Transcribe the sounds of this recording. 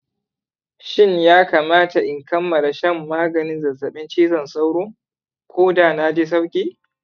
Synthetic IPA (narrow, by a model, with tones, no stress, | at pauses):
ʃɪ˦ɲjaː˦kaː˨maː˦ta˨ʔɪ˨ŋkɐ˦mːɐ˨la˨ʃɐ˦˨mːaː˦ɡɐ˨nɪ˦nzɐ˨zɐ˨ɓɪ˦nt͡ʃiː˦zɐ˨nsa˦wɽʊː˦ŋ | kʷoː˦daː˨na˦d͡ʒeː˦s̬ɐ˦wkʲʼiː˦